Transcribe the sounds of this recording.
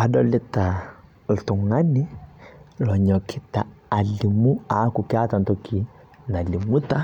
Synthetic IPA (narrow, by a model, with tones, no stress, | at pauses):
a˨dɔ˦lɪ˦ta˨ | l̩˨tʊ˨ŋa˦nɪ˦ | lɔ˨ɲɔ˨kʰɪ˦taː˨li˨mu˦a˨˦kʊ˨kɪ˦a˦ta˨ntɔ˦kʰi˨ | na˨li˨mu˦ta˦